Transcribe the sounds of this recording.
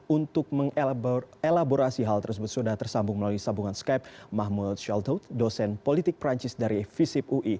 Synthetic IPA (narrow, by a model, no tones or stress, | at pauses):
unt̪ʊk̚məŋ | elaboɾasiɦalt̪ərsəbʊt̪̚sudaht̪ərsambʊŋməlaluisabuŋanskap̚maɦmut̪̚ʃalt̪ot̪dosɛnpolit̪ɪk̚pɾaɲt͡ʃɪsdaɾifisip̚uʔi